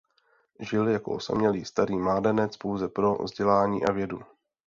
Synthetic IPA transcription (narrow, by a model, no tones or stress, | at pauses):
ʒɪljako̰osa̰mɲɛliːst̪aɾiːmaːdɛnɛt͡spowzɛpɾo̞̰vzɟɛlaːɲḭːʔavjɛdu